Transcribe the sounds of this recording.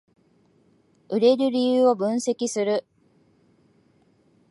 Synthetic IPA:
ɯɾe̞ɾɯ̟ɾʲijɯːo̞bɯ̟̃ñse̞kʲisɨɾɯ

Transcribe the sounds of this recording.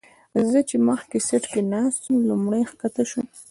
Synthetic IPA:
zət͡ʃeməxkeseʈkenɑst̪əmlumɽəjxkat̪aʃum

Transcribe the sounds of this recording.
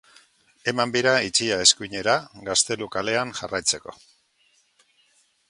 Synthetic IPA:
e̞mambiɾait͡ʃiae̞skuɲe̞ɾaɡast̪e̞lukale̞aŋʝa̰rajt͡se̞ko̞̰

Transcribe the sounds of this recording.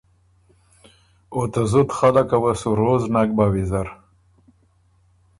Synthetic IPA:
ot̪azut̪xalakawasuɾoznak̚bawizaɾ

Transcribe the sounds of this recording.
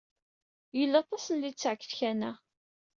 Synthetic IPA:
jəlːɑt̪ˤɑsənlit͡sːʕkːəθçænæ

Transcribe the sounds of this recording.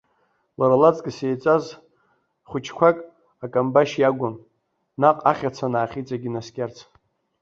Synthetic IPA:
laɾalat͡sʼkʼɪsejt͡sʷʼaz | χʷʊt͡ʃʰkʷʰakʼ | akʼambaʃjaɡʷʊn | naqʼaχʲat͡sʷʰanaːχʲit͡sʼaɡʲinaskʲʼart͡sʰ

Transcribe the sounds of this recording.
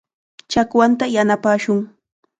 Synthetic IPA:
t͡ʃakwant̪ajanapaːʃʊŋ

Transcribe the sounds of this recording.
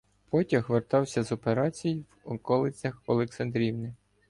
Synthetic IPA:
pɔtʲɐxʋert̪ɑwsʲɐzɔpeɾɑt͡sʲijiwɔkɔlˠɪt͡sʲɐxɔlˠeksɐnd̪ɾʲiwnɪ

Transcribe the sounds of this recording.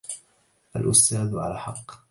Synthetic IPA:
ʔa̰lʔʊst̪aːðʕa̰laħɑqː

